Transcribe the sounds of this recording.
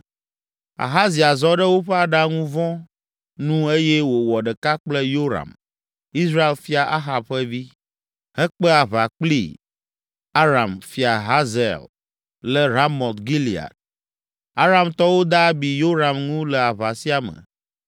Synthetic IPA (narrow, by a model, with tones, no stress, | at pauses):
a̰˨ɦa˦zi˨a˨zɔ˦ɖɛ˦wo˦ɸɛ˦a˨ɖa˦ŋũ˦vɔ̃˦ | nũ˦e˦jɛ˦wo˨wɔ˨ɖɛ˨ka˦k͡plɛ˦jo˦ɾa̰˨m | i˦sɾa˦e˨lfi˦a˨ʔa˦ɦa˨b̚ɸɛ˦vi˦ | hɛ˦k͡pɛ˦a˨βa˨k͡plḭ˦˨ | a˦ɾa˨mfi˨a˨ɦa˦zɛ̰˨l | lɛ˦ɾa˦mɔ˨t̪ɡi˦li˨a̰˨d̪̚ | a˦ɾa˨mt̪ɔ˦wo˦d̪a˦bi˨jo˦ɾa˨mŋũ˦lɛ˨a˨βa˨si˦a˨mɛ̰̃˨